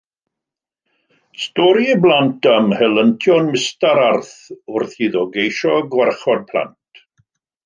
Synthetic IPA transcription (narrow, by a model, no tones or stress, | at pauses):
stɔɾiblˠantʰamhɛlˠəntʰjɔnmɪstaɾarθʊrθhiðɔɡejʃɔɡwɛrχɔd̚pʰlˠa̰nt